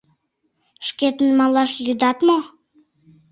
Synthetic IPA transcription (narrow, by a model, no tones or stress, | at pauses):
ʃket̪ənmɑlˠɑʃjyd̪ɑt̪mo